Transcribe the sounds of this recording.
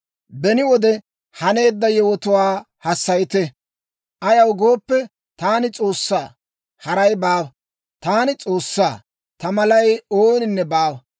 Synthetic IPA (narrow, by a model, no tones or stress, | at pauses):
bɛnɪwɔd̪ɛ | hɐne̞ːd̪ːɐjɛwɔt̪ʊwaː | hɐsːɐjt̪ɛ | ʔɐjɐwɡo̞ːpːɛ | t̪aːnɪt͡sʼo̞ːsːaː | hɐɾɐjbaːwɐ | t̪aːnɪt͡sʼo̞ːsːaː | t̪ɐmɐlɐjoːnɪnːɛbaːwɐ